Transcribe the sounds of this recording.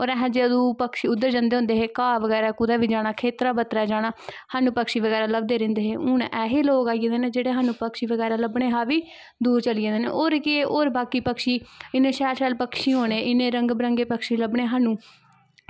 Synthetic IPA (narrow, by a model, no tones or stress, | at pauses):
oːɾɛɦɛ̃ːd͡ʒeəd̪ũːpəkʃiʊd̪ːəɾd͡ʒãːnd̪eːɦʊ̃nd̪eːɦeːkaːʋəɡɛːɾaːkʊd̪aːʋiːd͡ʒaːɽ̃aːkʰeːt̪ɾaːbət̪ɾaːd͡ʒaːɽaːhaːnũːpəkʃiːʋəɡɛːɾaːləb̚d̪eːɾɪ̃nd̪eːɦeːʔʊnʔɛːɦeːloːkaːied̪eːneːd͡ʒeːɽeːɦaːnũːpəkʃiːʋəɡɛːɾaːləbɽeːɦaːʋiː | d̪uːɾt͡ʃəliẽːd̪eːnḛːoːɾkɪeoːɾbaːkiːpəkʃiːɪnẽːʃɛːɾʃɛːlpəkʃiːɦoːneːʔɪnẽːɾəŋɡbɾəŋɡeːpəkʃiːləbɳeːɦaːnũː